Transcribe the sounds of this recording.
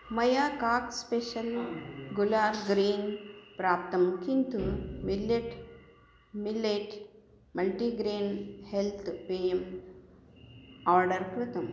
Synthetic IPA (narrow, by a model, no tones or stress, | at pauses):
mɐjaːkaːkspeʃɐlɡulaːɾɡɾiːnpɾaːp̚t̪ɐmkint̪umilːeʈ | mileʈ | mɐlʈiːɡɾeːnhelt̪ʰpeːjɐm | aːɾɖɐɾkɾɪt̪ɐm